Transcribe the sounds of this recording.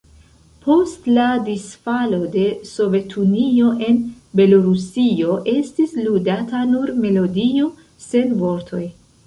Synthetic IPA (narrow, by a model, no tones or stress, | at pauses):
po̞stladisfalo̞de̞so̞ve̞tʰunio̞ʔe̞n | be̞lo̞ɾusio̞ʔe̞stisludatanuɾme̞lo̞dio̞ | se̞nvo̞ɾtʰo̞j